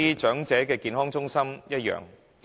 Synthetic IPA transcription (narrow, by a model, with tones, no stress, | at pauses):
iː˥t͡ʃœː˨˥ŋt͡sɛː˨˥kɛː˧kiː˧nhɔː˥ŋt͡sʊ˥ŋsɐ˥mjɐ˥t̚jœ̰ː˨ŋ